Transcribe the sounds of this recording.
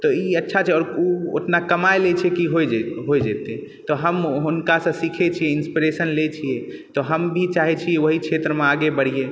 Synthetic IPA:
t̪ɔiətːʃʰat͡ʃʰɛɔːɾuo̰tnakəmaelet͡ʃʰɛkiɦojd͡ʒeɦojd͡ʒet̪e | t̪ɔɦəmɦunkasə̃sikʰet͡ʃʰijɛinspiɾesənlet͡ʃʰijɛ | t̪ɔɦəmbʱit͡ʃaɦɛt͡ʃʰijɛoɦikt͡ʃʰet̪ɾəmeaɡebəɽ̤ije

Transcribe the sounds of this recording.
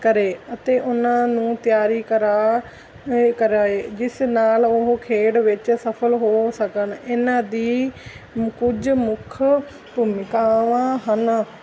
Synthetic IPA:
kəɾeːət̪eːʔʊnãːnũːt̪ɪjaːɾiːkəɾaː | kəɾaːeːd͡ʒɪsnaːlʊɦoːkʰeːɽʋɪt͡ʃsəpʰəlɦoːsəkənɪnãːd̪iː | kʊd͡ʒmʊkʰ | pumɪkaːʋãːɦən

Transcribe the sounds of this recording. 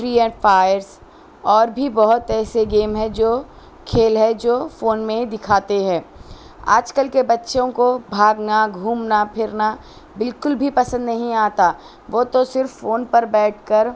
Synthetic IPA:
ʈɾiːɛ̃ɳʈfaːjəɾs | ɔːɾbʱibɐɦʊt̪ɛːseɡeːmɦɛ̃d͡ʒoː | kʰeːlɦɛd͡ʒoːfoːnmẽd̪ɪkʰaːt̪eɦɛ̃ː | a̰ːd͡ʒkəlkebɐtːʃõkobʱaːɡnaɡʱuːmnapʰɪɾna | bɪlkʊlbʱipɐsə̃nd̪nɐɦĩaːt̪a | ʋoːt̪osɪɾfːoːnpɐɾbɛːʈ̚ʰkəɾ

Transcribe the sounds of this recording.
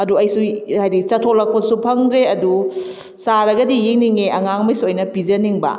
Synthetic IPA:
ɐduɐjsuhajɾit͡ʃɐtʰolɐkʰːosupʰɐŋdɾeɐdu | saɾɐɡɐdijiŋniŋeʔɐŋaŋmɐjsuojnɐpid͡ʒɐniŋbɐ̰

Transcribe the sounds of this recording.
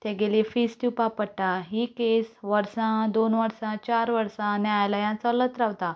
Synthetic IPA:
t̪ẽɡelefisʈipapəɽʈaɦikesʋəɾsãd̪onʋəɾsãt͡ɕaɾʋəɾsãnɛajlajãt͡sələt̪ɾaʋt̪a

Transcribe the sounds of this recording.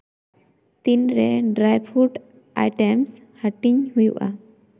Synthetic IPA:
t̪inɾɛɖɾajbʰuʈ | ʔa̰jʈɛms | həʈiɲɦujṵʔʔa̰

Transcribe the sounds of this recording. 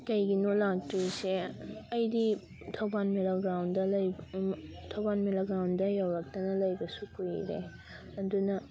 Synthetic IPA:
kɐjɡinolak̚tɾiseɐjdi | tʰɐwbanmelaɡɾawndɐlɐj | tʰɐwbanmilɐɡɾawndɐjɐwɾɐk̚tɐnɐlɐjbɐsukuɾiɾḛ | ɐdunɐ

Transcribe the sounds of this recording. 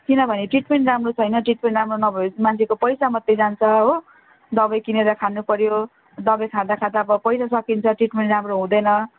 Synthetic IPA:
kinʌbʱʌneʈriʈmeɳʈramrot͡sʰʌjnʌʈriʈ̚meɳʈramronʌbʱʌmant͡sʰekopʌjsamʌt̪ːed͡zant͡sʰʌɦo | d̪ʌbʌjkineɾʌkʰanupʌɾjo | d̪ʌbʌjkʰãd̪akʰãd̪aʌbʌpʌjsasʌkint͡sʰʌʈriʈmeɳʈramroɦũd̪ʌjnʌ

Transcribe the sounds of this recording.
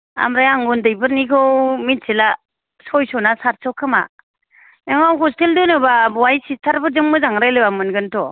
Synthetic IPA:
a̰mɾajaŋɡundɯjbɯɾnikʰɔwmit̚sila | sɔjsɔnasaɾsɔkʰːɯma̰ | nɯŋawɦɔsteldɯnɯbabwajsistʰaɾbɯzɯŋmɯzaŋɾajlɯbamɯnɡɯntʰɔ

